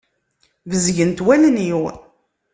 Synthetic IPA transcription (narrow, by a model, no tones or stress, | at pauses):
vəzʝənt̪wæləniw